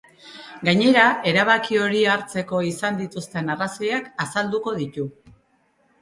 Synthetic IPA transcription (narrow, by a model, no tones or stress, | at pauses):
ɡaɲe̞ɾae̞ɾaβakio̞ɾiaɾt͡se̞ko̞isand̪it̪ust̪e̞naraso̞jakasald̪uko̞ðit̪u